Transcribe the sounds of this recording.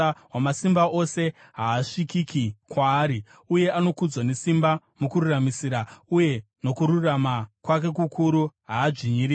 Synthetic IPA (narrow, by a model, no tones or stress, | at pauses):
wamasimbaʔo̞se̞ | ɦaːʂikikikwaːɾi | uje̞ano̞kud͡zwane̞simba | mukururamisiɾauje̞ | no̞kuɾuramakwak̬e̞kukʰuɾuɦaːd͡ʐiɲiɾi